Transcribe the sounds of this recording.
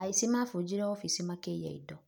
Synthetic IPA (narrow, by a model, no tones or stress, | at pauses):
aisimãfʊd͡ʒiɾɛwɔfisimãkejɛ̰ḭdɔ